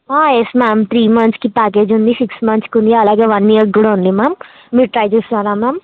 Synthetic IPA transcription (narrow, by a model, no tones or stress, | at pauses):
aːesmaːmt̪ɾiːmɐnskipaːk̬eːd͡ʒund̪isiksmɐnskund̪iɐlaːɡeːʋɐnːiɐɡuɽaund̪imaːmː | iːɾʈɾɐjt͡ʃuːst̪aːɾaːmaːm